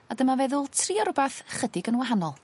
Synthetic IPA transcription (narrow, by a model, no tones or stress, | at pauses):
adəmavɛðʊlˠtʰriːaɾʊbaθχədɪɡənwaɦanɔlˠ